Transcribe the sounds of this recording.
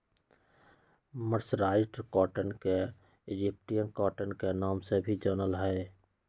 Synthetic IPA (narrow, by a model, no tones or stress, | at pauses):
məɾsɾaːɪʈkɔːʈənke | ɪd͡ʒip̚ʈijənkɔːʈənkenaːmsebʱid͡ʒəːnəlɦɛ